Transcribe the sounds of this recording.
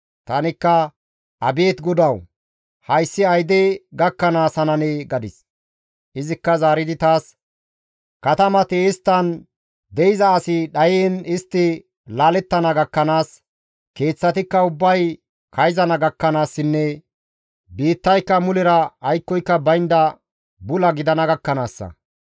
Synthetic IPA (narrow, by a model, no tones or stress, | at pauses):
t̪ɐnɪkːɐ | ʔɐbe̞ːt̪ɡɔd̪ɐw | hɐjsːɪɐjd̪eɡɐkːɐnaːsɐnɐneːɡɐd̪ɪs | ʔɪzɪkːɐzaːɾɪd̪ɪt̪aːs | kɐt̪ɐmɐt̪ɪːst̪ːɐn | d̪ɛɪzɐːsɪɗɐjeːnɪst̪ːɪ | laːlɛt̪ːɐnɐɡɐkːɐnaːs | ke̞ːt͡sːɐt̪ɪkːɐʊbːɐj | kɐjzɐnɐɡɐkːɐnaːsːɪnːɛ | biːt̪ːɐjkːɐmʊlɪɾɐːjkːɔjkːɐbɐjnd̪ɐ | bʊlɐɡɪd̪ɐnɐɡɐkːɐnaːsːɐ̰